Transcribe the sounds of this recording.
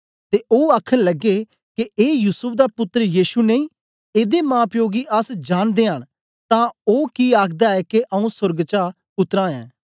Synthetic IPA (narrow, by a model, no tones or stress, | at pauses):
t̪eːʔoːaːkʰənləɡeː | kɪeːjusʊp̚ʰd̪aːpʊt̪ːəɾəjiːʃuːneĩː | eːd̪eːmãːpʰjoːɡiːʔəsd͡ʒaːnd̪eːɦəɽ̃ | t̪ãːoːkiːaːkʰd̪aːɛːkeʔəũsʊɾɡt͡ʃaː | pʊt̪ːɾãːɛ̰ː